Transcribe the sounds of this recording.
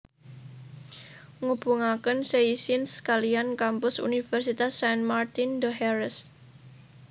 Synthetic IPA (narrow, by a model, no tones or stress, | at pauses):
ŋub̥uŋakənseisɪnskaliankampʊsṵnifɛrsit̪asːɛnmart̪ind̪əɦɛrəs